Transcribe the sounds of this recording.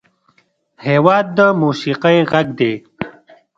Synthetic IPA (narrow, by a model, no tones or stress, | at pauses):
heːwɑːd̪̚ːəmuːsiqajɣaɡd̪eː